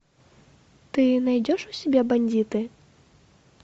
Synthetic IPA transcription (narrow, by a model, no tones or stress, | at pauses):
t̪ɨnajd͡zʲɔʂusʲɛbʲɛbanʲdʲd͡zʲit̪ɨ